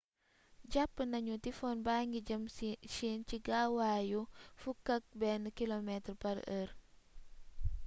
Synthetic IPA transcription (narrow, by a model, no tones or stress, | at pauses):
ɟapːənɐɲutifɔːnbaːŋɡiɟɐmsiːnciɡaːwaːjufukɐk̚bɛnkilomɛtrpɐɾər